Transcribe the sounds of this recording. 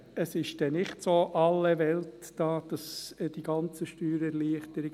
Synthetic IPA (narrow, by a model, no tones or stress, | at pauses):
əsɪʃd̥ɛnɪχtsoːʔɑlːəʋɛltd̥ɑːd̥ɑsd̥iɡ̥ɑnt͡səʃtyːɾəɛɾliəχtəɾɪɡ